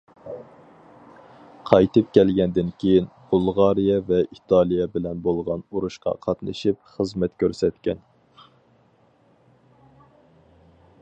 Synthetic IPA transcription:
qʰɑjt̪ɨp̚kʲɛlɡʲɛnd̪ɪnkʲʰejin | b̥ulˠʁɑɾijɛvɛʔit̪ʰɑlˠijɛbɪlɛnbolˠʁɑnuɾuʃqɑ̰qʰɑt̪nɨ̰ʃipχəzmɛt̪kʲʰøɾsɛt̪kʲɛn

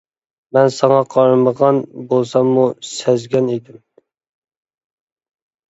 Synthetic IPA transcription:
mɛnsɑŋɑqʰɑɾməʁɑnbolˠsɑmːusæzɡʲɛned̪ɪm

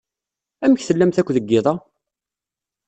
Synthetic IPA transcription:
æməçθəlːæmθækʷːðəɡːɪðˤɑ

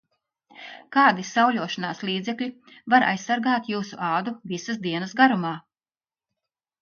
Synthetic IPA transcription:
kɑːd̪isawlʲuɔʃanaːslˠiːd̪zɛkʎʲi | vaɾʔa̰jsːaɾɡaːt̪juːsṵʔɑːd̪uvisasd̪iɛnɐsɡaɾumaː

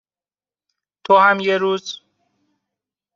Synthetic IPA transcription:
t̪ʰohæmjeɾuːz̥

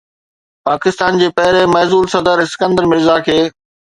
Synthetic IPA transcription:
paːkɪst̪aːnd͡ʑeːpɐɦɪɾemɛːzuːlsɐd̪əɾɪsɪ̥kə̃nd̪əɾmɪɾzakʰeː

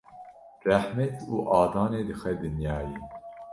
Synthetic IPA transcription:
ræħmɛt̪uːʔɑːd̪ɑːneːd̪ɨxɛd̪ɨnjɑːji

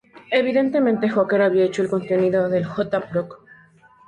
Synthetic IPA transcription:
e̞βiðe̞nt̪e̞mẽnt̪e̞xokeɾaβiaet͡ʃo̞elko̞nt̪e̞niðo̞ðe̞lxot̪apɾok

